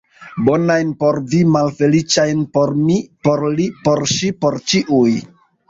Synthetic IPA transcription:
bo̞najnpo̞ɾvimalfe̞lit͡ʃajnpoɾmipoɾlipo̞ɾʃipo̞ɾt͡ʃiʔuj

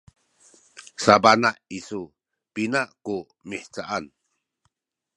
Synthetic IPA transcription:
sabanaʔisu | pinaʔku | miħt͡ʃaʔan

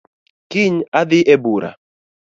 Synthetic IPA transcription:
kiɲaðɪʔɛbuɾa̰

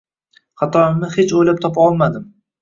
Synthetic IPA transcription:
χɑt̪ʰɒɪmmɪhet͡ʃojlap̚t̪ʰɒpʰaɒlˠmad̪ɪm

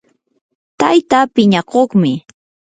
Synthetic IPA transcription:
t̪ajt̪aːpɪɲaqoχmɪ

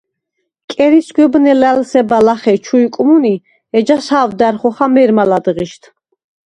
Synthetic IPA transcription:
kʼɛɾisɡʷwɛbnɛlɛlsɛbalaχɛt͡ʃʰuikʼmuni | ɛd͡ʒashaːvd̪aɾχɔχamɛɾmalad̪ʁiʃt̪ʰ

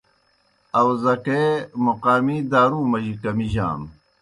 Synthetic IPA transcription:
ɐwzɐkeːmuqaːmiːd̪aːɾuːmɐʑikɐmiʑa̰ːm

